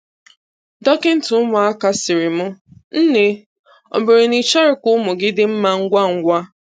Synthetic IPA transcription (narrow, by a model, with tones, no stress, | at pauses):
dɔ˦kɪ˦n̩˦tʊ˨ʊ˦mʊ˨a˦ka˦sɪ˨ɾɪ˨mʊ˦n̩˦ne˨ | ɔ̰˨me˨ɾɪ˨ni˨t͡ʃa˦ɾɪ˦kʷʊ˦mʊ˨ɡɪ˦dɪ˦m̩˦ma˦ŋ̩˦ɡʷa˦˨ŋ̩˦ɡʷa˦